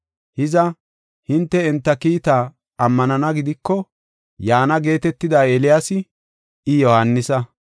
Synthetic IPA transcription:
hɪzɐ | hɪnt̪ːɛɛnt̪ːɐkiːt̪a | ɐmːɐnɐnɐɡɪd̪ɪkːɔ | jaːnɐɡe̞ːt̪ɛt̪ːɪd̪aːeːlɪjaːsɪ | ɪjɔhanːɪsɐ

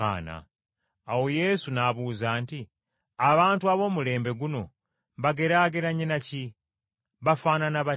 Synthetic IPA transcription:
a̰ːna̰ː | woje̞sunaβuːzaːnti | aβaːntuaβo̞ːmule̞ːmbe̞ɡuno̞ | βaɡe̞ɾaɡeɾaɲenaci | βafaːnanaβa

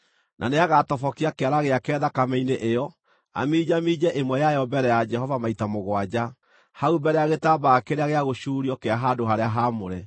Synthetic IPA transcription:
nʔa̰neaɣatɔfɔkiakeaɾaɣeakɛðakamɛineʔejɔ | a̰miːd͡ʒamiːd͡ʒɛʔemwɛjajɔbɛɾɛjad͡ʒɛhɔvamaitamoɣwad͡ʑa | haubɛɾɛjaɣetabakeɾeaɣeaɣoʃuːɾiɔkeaɦadoɦaɾeaɦamoɾɛ

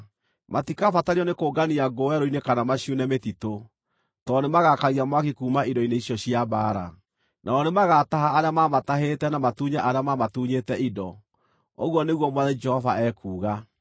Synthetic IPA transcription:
matikafataɾiɔnekoːɡaniaɡowɛɾoinekanamaɕjunɛmetito | tɔnemaɣakaɣiamwakikuːmaʔidɔineiɕjɔɕjabaːɾa̰ | nʔaɔnemaɣataɦaːɾeamamataɦetɛnamatuɲaʔaɾeamamatuɲetɛʔidɔ | oɣwɔneɣwɔmwaðɛd͡ʒɛhɔvaɛkuːɣa

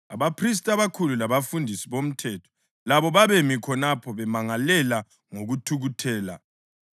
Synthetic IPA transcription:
aβapʰris̬tʼaβakʰululaβafundʱisiβom̩tʰɛtʰɔ̥ | laβɔβaβemikʰɔnapʰɔβɛmaŋalɛla | ŋoɣutʰuɣutʰɛːla̰

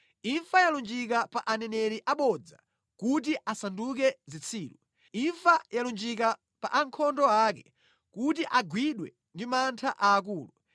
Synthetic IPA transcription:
iɱfajalund͡ʒik̬apaʔanɛnɛɾiʔaɓɔd͡za̰ | kut̬iʔasandukɛzit͡sʰiːlu | iɱfajalund͡ʒik̬a | pa̰ʔaŋkʰɔndɔakɛ | kut̬iʔaɡwiɗwɛ | ndimantʰaʔaːk̬uːlu

